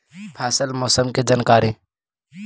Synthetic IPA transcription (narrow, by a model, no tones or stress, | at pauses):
pʰɛːsəlmoːsəmked͡ʒaːnkaːɾiː